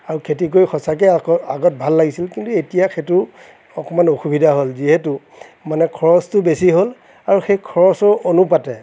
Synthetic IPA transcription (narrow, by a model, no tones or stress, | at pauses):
aɹukʰetik̬ojxʰɔsak̬ɛɔaɡɔt̚bʱalːaɡisilkintuetijaxetʊ | ɔkɔmanoxubidʱaɦolziɦetu | manɛkʰɔɹɔstʊbesiɦol | aɹuxejkʰɔɹɔsɔʔonupatɛ